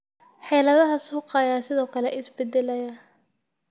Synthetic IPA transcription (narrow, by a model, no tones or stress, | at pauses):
ħɛːlɐðɐɦɐsuːqɑjaːsɪðɔːkʰɐlɛʔɪsbɛd̪ɛlɐjɐ